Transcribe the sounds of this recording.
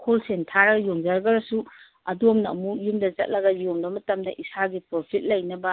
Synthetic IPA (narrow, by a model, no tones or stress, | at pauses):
kʰolsentʰaɾɐɡjoŋd͡ʒaɾɐɡɐɾɐsu | ɐdomnɐɐ̰mujumdɐzɐt̚lɐɡɐjoŋbɐmɐtɐmdɐʔisaɡipɾopʰit̚lɐjnɐbɐ